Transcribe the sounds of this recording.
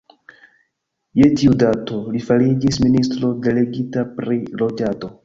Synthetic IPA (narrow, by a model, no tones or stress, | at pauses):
je̞tiudato̞lifalid͡ʒisministɾo̞de̞le̞ɡitapɾilo̞d͡ʒato̞